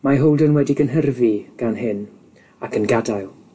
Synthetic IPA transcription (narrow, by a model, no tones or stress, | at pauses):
maɦowlˠdənwɛdɪɡənɦərviɡ̥anɦɪn | akʰənɡadajlˠ